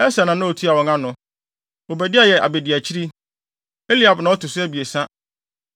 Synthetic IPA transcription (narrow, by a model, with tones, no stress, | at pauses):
ɛ˦sa˨nã˨nʊ̃˦o˨tʰi˦a˨wɔ̃˨ŋã˦nʊ̃˨ | o˨bæ˨dɪ˦a˦jɛ˨ʔa̰˨be˨dɪ˨æ˨t͡ɕʰi˦ɾi˦ | e˦li˦a˨bnã˨˦ɔ˦tʊ˨sʊ˦æ˦bi˨e˨sã˦